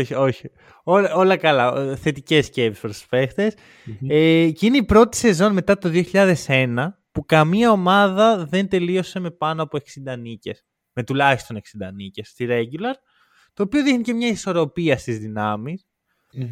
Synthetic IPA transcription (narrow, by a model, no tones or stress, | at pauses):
oçio̞çi | olo̞lɐkɐlɐθe̞t̪ice̞sce̞pispɾospe̞xt̪es | eceineipɾo̞t̪i̥se̞zo̞nme̞t̪ɐt̪oðio̞çiʎɐðe̞se̞nɐ | pukɐmiɐo̞mɐðɐðent̪e̞lio̞se̞me̞pɐnoɐpoe̞ksind̪ɐnice̞s | me̞t̪ulɐçist̪o̞ne̞ksind̪ɐnice̞st̪iɾeɟulɐɾ | t̪o̞ːpioðixnice̞mɲɐiso̞ɾo̞piɐst̪izðinɐmis